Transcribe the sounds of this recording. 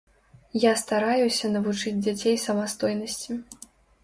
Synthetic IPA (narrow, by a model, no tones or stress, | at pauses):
jast̪aɾajusʲɐnɐvut͡ʂɨd͡zʲd͡zʲat͡sʲejsɐmast̪ɔjnɐsʲt͡sʲi